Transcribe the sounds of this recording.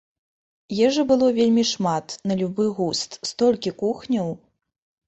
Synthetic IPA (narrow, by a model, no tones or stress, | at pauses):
jɛʐɛbɨlˠɔvʲelʲmʲiʂmat̪nɐlʲubɨɣust̪st̪ɔlʲkʲikuxnʲɐw